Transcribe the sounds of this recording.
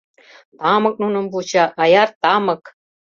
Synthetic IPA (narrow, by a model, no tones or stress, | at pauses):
t̪ɑmə̆k̚nunə̆mbut͡ɕaʔːjart̪ɑmək